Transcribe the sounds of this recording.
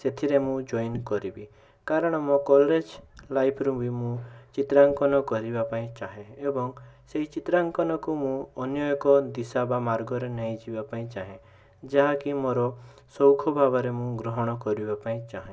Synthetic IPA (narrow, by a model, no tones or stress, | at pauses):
set̪ʰiɾemũd͡ʒɔjnkɔɾibi | kaɾɔɽ̃ɔmɔkɔlɾed͡ʒlajpʰɾũbʱimũt͡ʃit̪ɾaŋkɔnɔkɔɾibapaĩt͡ʃaɦeebɔŋseɦit͡ʃit̪ɾaŋkɔnɔkumũɔnjɔjɔkɔd̪isabamaɾɡɔɾenɔĩd͡ʒibapaĩt͡ʃaɦẽ | d͡ʒaɦakimoɾɔ | sɔwkʰɔbʱaβɔɾemũɡɾɔɦɔɽ̃ɔkɔɾibapaĩt͡ʃaɦẽ